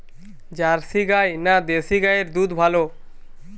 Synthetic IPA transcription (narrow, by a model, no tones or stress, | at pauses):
d͡ʑaɾsiɡajnad̪esiɡajeɾd̪ud̪bʱalo